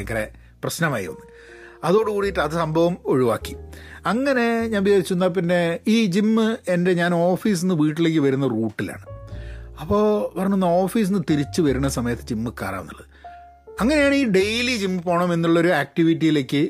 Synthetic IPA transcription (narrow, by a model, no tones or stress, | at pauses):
kːɐrḛ | prɐɕnɐmaːjiʋɐ̰nːɨ | ɐðo̞ːɽukuːɽijʈːɨɐðɨsɐmbʱɐʋɐmo̞ɻuʋa̰ːkːiɐŋːɐne̞ɲaːnbijaːɾit͡ɕːuunːap̬inːe̞iːd͡ʑimːɨe̞nde̞ɲaːno̞ːfiːs̬enːɨʋiːʈːile̞ːk̬ːɨʋɐɾunːɐruːʈːila̰ːɳɨ | ɐpːo̞ːpɐrɐɲːunːɐoːfiːs̬inːɨt̪iɾit͡ɕːɨʋɐɾunːɐsɐmɐjɐt̪ːɨd͡ʑimːɨka̰ːɾa̰ːʋnːuɭːɐðɨ | ɐŋːɐnejaːɳɨiːɖe̞jlid͡ʑimːɨpo̞ːɳɐme̞nːuɭːɐo̞ɾuaːk̚ʈiʋitːijile̞ːkːɨ